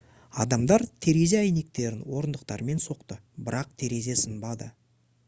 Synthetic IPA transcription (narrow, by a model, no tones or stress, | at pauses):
ɑd̪ɑmd̪ɑɾt̪ʰe̞ɾe̞zeæjne̞k̚t̪e̞ɾɪnwo̞ɾənd̪əq̚t̪ɑ̰ɾme̞nso̞qt̪əbɪɾɑq̚t̪ʰe̞ɾe̞ze̞sənbɑd̪ə